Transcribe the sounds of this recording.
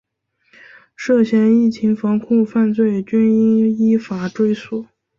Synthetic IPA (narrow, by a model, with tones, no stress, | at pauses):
ʂɤ˥˩ɕjɛ˥ni˥˩t͡ɕʰi˧˥ŋfɑ˧˥ŋkʰu˥˧ŋfa˥˧nt͡swe˥˩ɪt͡ɕy˥ni˥i˥fa˨˩ʈ͡ʂwe˥˩ɪswɔ˨˩˦